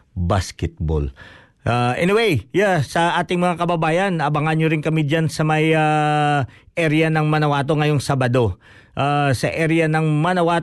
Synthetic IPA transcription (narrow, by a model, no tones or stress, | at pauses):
baskɛt̪̚bo̰l | ʔaʔɛniwejjasɐʔaːt̪ɪŋmɐŋakɐbɐbaːjɐnɐbɐŋanɲoɾɪŋkɐmid͡ʒansɐmɐja | ʔɛɾɪjɐnɐŋmɐnɐwaːt̪o̞ŋɐjoŋsabɐd̪o̞ | ʔasɐʔɛɾɪjɐnɐŋmɐnɐwaːt̪